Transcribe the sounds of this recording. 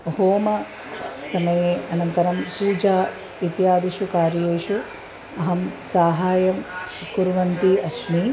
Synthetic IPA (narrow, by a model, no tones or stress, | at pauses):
hoːmɐ | sɐmɐjeːʔɐnɐnt̪ɐɾɐmpuːd͡ʒaː | it̪jaːd̪iʃukaːɾjeːʃu | ɐɦɐmsaːɦaːjɐmkuɾʋɐnt̪iɐʃmi